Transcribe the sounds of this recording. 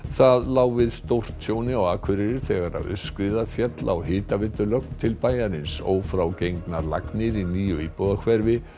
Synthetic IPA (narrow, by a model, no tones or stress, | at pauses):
θaðlaːwvɪðst̪owr̥t̪sjoːwnɪawɣaːkʰvʏɾɪɾɪɾ̥θɛɣaɾa̰ðʏ̰skɾɪðafjɛt̪laa̰whɪːt̪avɪt̪ːʏlœk̪t̪ʰːɪlpaːjaɾɪnso̰ːwfɾawcejŋknaɾla̰knɪɾiniːjʏiːpɔðakʰvɛɾvɪ